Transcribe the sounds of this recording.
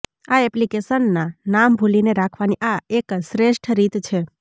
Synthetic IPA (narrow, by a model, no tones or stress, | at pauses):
aɛplikesənːanambʱulineɾakʰʋaniʔaekʃɾeʃʈʰɾit̪t͡ʃʰe